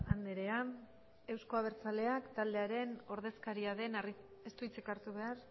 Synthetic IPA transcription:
and̪eɾe̞a | e̞wsko̞aβ̞e̞ɾt͡sale̞akt̪ald̪e̞aɾe̞no̞ɾð̞e̞skaɾiaðe̞nr | est̪uit͡sekaɾt̪uβe̞aɾ

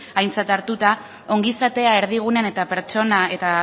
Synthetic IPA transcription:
ajnt͡sat̪aɾt̪ut̪a | o̞ŋɡisat̪e̞ae̞ɾðiɣ̞uneane̞t̪ape̞ɾt͡ʃo̞nae̞t̪a

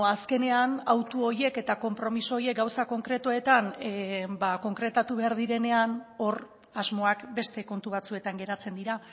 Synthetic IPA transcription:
aske̞ne̞anawt̪uo̞ɾje̞ke̞t̪ako̞mpɾo̞miso̞ːje̞k̚ɡawsako̞ŋkɾe̞t̪ue̞t̪anbako̞ŋkɾe̞t̪at̪uβe̞aɾðiɾe̞ne̞ano̞ɾ | azmo̞akbe̞st̪e̞ko̞nt̪uβ̞at͡sue̞t̪aŋɡe̞ɾat͡se̞nd̪iɾa

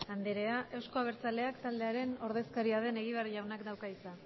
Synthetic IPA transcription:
and̪eɾe̞aʔe̞wsko̞aβ̞e̞ɾt͡sald̪e̞akt̪ald̪e̞aɾe̞no̞ɾðe̞skaɾiað̞e̞ne̞ɣ̞iβariʎawnakd̪awkait͡sa

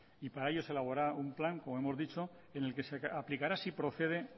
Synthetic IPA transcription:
ipaɾaeʎo̞se̞laβ̞o̞ɾaumplaŋko̞moemo̞zðit͡ʃo̞ | e̞ne̞lkeseaplikaɾasipɾo̞θe̞ð̞e̞

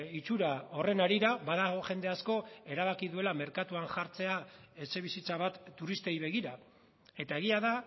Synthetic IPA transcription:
it͡ʃuɾao̞re̞naɾiɾaβaðaɣ̞o̞ʝe̞nd̪e̞asko̞e̞ɾaβakiðue̞lame̞ɾkat̪uaŋʝaɾt͡se̞aese̞β̞isit͡saβat̪ːuɾist̪e̞jβ̞e̞ɣ̞iɾa | e̞t̪ae̞ɣiaða

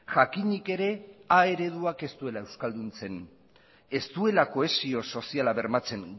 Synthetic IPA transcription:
ʝakiɲike̞ɾe̞ae̞ɾe̞ð̞uake̞st̪ue̞lae̞wskald̪unt͡se̞n | e̞st̪ue̞lako̞e̞sio̞so̞sialaβe̞ɾmat͡se̞ŋ

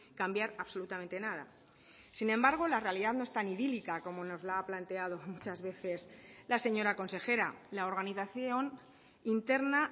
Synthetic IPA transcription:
kambjaɾaβso̞lut̪amẽnt̪e̞nað̞a̰ | sinẽ̞mbaɾɣ̞o̞lare̞aliðaðno̞est̪aniðilikako̞mo̞no̞zlaaplant̪e̞að̞o̞mut͡ʃazβe̞θe̞slase̞ɲo̞ɾako̞nse̞xe̞ɾa̰lao̞ɾɣ̞aniθaθjon | int̪e̞ɾna

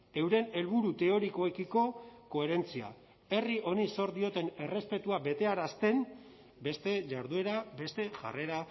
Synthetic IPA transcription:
e̞wɾe̞ne̞lβuɾut̪e̞o̞ɾiko̞ekiko̞ko̞e̞ɾe̞nt͡sia̰ | e̞riʔo̞niso̞ɾd̪io̞t̪e̞ne̞re̞spe̞t̪uabe̞t̪e̞aɾast̪e̞n | be̞st̪e̞ʝaɾðue̞ɾabe̞st̪e̞ʝa̰re̞ɾa

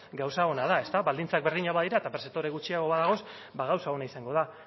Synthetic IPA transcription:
ɡawsao̞nað̞ae̞st̪aβald̪int͡sak̚be̞ɾðiɲaβaðiɾaet̪apɾeset̪o̞ɾe̞ɣut͡ʃiaɣo̞βaðaɣ̞o̞s | baɣ̞awsao̞naisaŋɡo̞ða

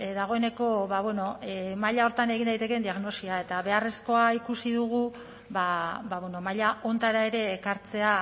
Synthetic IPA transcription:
ðaɣ̞o̞e̞ne̞ko̞βaβweno̞maʎao̞ɾt̪ane̞ɣind̪ajt̪e̞ke̞nd̪iaɣno̞siae̞t̪aβe̞are̞sko̞aikusiðuɣ̞u | βabaβweno̞maʎao̞nt̪aɾae̞ɾe̞ːkaɾt͡se̞a

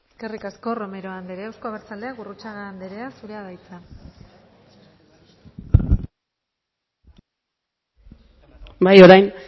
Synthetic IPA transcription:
eske̞rikasko̞ro̞meɾo̞and̪eɾeawsko̞aβeɾt͡sald̪e̞aɡurut͡saɣaːnd̪eɾe̞asuɾeaðajt͡sa | bajo̞ɾajn

